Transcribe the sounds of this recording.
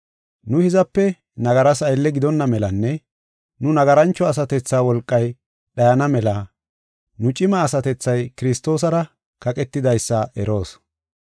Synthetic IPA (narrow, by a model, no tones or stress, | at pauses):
nʊhɪzɐpːɛ | nɐɡɐɾɐsɐjlːɛɡɪd̪ɔnːɐmɛlɐnːɛ | nʊnɐɡɐɾɐnt͡ʃːɔɐs̬ɐt̪ɛt͡sːaːwɔlkʼːɐj | ɗɐjɐnɐmɛlɐ | nʊt͡ʃʼɪmɐːsɐt̪ɛt͡sːɐjkɪɾɪst̪o̞ːs̬ɐɾɐ | kɐkʼɛt̪ːɪd̪ɐjsːɐʔɛɾo̞ːs